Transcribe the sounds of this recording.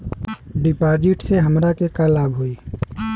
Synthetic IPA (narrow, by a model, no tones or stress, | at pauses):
ɖɪpaːd͡ʒɪʈseɦɐmɾakekalaːbɦuiː